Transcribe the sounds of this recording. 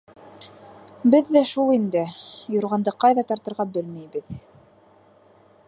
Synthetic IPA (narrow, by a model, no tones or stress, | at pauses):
bɘðːæʃulˠind̪ɘjŏɾʁɑnd̪ɤqɑjðɑt̪ɑɾt̪ɤ̆ɾʁɑbɘlmæjbɘð